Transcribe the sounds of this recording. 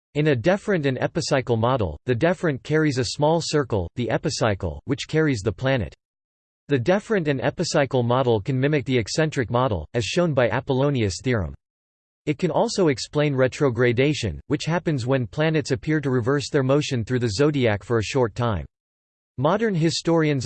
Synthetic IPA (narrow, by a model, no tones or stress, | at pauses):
ɨ̃nɨdɛfɹɨ̃ntɨ̃nɛ̰pɨsaɪkl̩ˠmɑɾl̩ˠðɨdɛfɹɨ̃nkʰɛɹizɨsmɔlˠsɜ˞kl̩ˠðiʔɛpɨsaɪkl̩ˠwɨt͡ʃkʰɛɹizðəpʰl̥ænɨ̰t | ðɨdɛfɹɨ̃ntɨ̃nɛ̰pɨsaɪkl̩ˠmɑɾl̩ˠkʰɨ̃nmɪ̃mɨk̚ðiɨksɛ̃nt͡ʃɹ̥ɨk̚mɑɾl̩ˠɨz̥ʃõʊ̃nbaɪʔæ̰pəlõʊ̃niɨsθɪɹə̰̃m | ɨt̚kʰɨ̃nɔlˠsoʊɨksplẽɪ̃nɹɛtʰɹ̥oʊɡɹeɪdeɪʃɨ̰̃nwɨt͡ʃhæpɨ̃nzwə̃npʰl̥ænɨtsɨpʰɪɹɾɨɹɨvɜ˞sðə˞moʊʃɨ̃nθɹʉðɨzoʊɾiækfə˞ɨʃɔɹtʰãɪ̃mː | ɑɾə̃˞nɦɪstɔɹiɨ̃nz